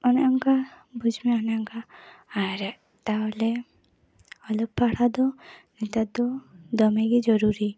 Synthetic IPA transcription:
ɔnaaŋka | bud͡ʒmɛɔnaŋkaː | ɾɛʔ | t̪aɦɔlɛ | ɔlɔb̚paɽad̪ɔnit̪ad̪ɔd̪ɔmɛɡid͡ʒɔɾuɾi

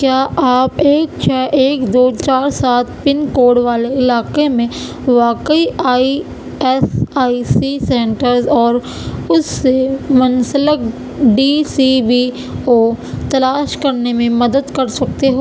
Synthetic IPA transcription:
kjaːʔaːpeːk̚t͡ʃʰɛːʔeːkd̪oːt͡ʃaːɾsaːt̪̚ʰpɪnkoːɽʋaːleɪlaːkemẽ | ʋaːkəiaːi | ɛsaːisisɛ̃ːɳʈəɾzɔːɾ | ʊsːemɐ̃nsələk | ɖiːsibiː | oːt̪ɐlaːʃkɐɾnemẽmɐd̪əd̪kɐɾsɐk̚t̪eɦoː

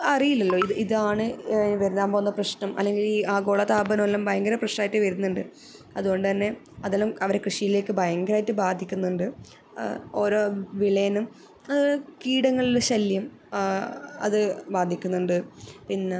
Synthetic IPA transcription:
ɐrijilːɐlːoːiðɨiðaːɳɨʋɐɾunːaːmboːunːɐprɐɕnɐmʔɐ̰lːe̞ŋɡiliːaːɡo̞ːɭɐt̪aːbɐnɐlːɐmbʱɐjɐŋɡɐɾɐprɐɕnaːjtːɨʋɐɾunːuɳɖɨ | ɐðuɣo̞ɳɖɨt̪ɐnːe̞ | ɐðɐlːɐmɐʋɐɾekrɨʂijile̞ːkːɨbʱɐjɐŋɡɐɾaːjitːɨbaːd̪ʱːikʲːunːuɳɖɨ | oɾo̞ʋiɭɐjɐnum | ɐkiːɽɐŋːɐɭilɕɐljɐm | ɐ̰ðɨbaːd̪ʱikʲːunːuɳɖɨpinːe

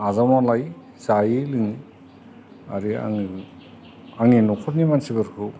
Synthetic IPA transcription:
azamalaj | zajilɯŋi | a̰ɾia̰ŋ | aŋinɔkʰɔt̚nimansibɯɾkʰu

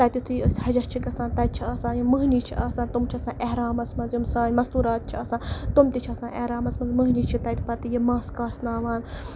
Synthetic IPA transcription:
t̪ɐt̪ʲit̪ʰujəsʲhɐd͡ʒɐst͡ʃʰikɐsãːnt̪ɐt̪̚t͡ʃʰiɐːsãːnjumɨɦnit͡ʃʰiʔaːsãːnt̪umt͡ʃʰɐsãːʔeɦɾaːmɐsmɐnzjimsãːnʲmɐst̪uːɾaːt̪̚t͡ʃʰiɐsãːt̪umt̪it͡ʃʰɐsãːʔehɾaːmɐsmɐnzmɨɦnʲit͡ʃʰit̪ɐt̪ipɐt̪ijimãːskaːsnaːʋaːn

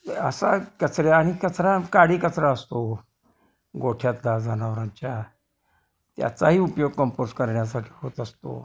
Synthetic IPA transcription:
əsakət͡sɾjaːɽ̃ikət͡sʰɾakaɽiːkət͡sɾaəst̪o | ɡoʈʰjat̪lad͡zʱanaʋɾãɲt͡ɕja | t̪ja̰t͡saɦiːupjoɡ̚kəmpoɾskəɾɳjas̬aʈʰi̥ːɦot̪əst̪o̰

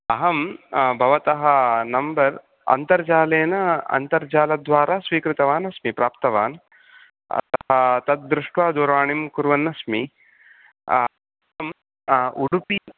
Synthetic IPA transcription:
ɐɦɐmbʱɐʋɐt̪ɐɦɐnɐmbɐɾ | ɐ̰nt̪ɐɾd͡ʒaːleːnɐɐ̰nt̪ɐɾd͡ʒaːlɐd̪ʋaːɾaːsʋiːkɾɪt̪ɐʋaːnɐsmipɾaːpt̪ɐʋaːn | ɐ̰t̪ɐɦɐt̪ɐt̪̚d̪ɾɪʂʈʋaːd̪uɾʋaːɳimkuɾʋɐnːɐsmi | ɐɦɐm | uɽupi

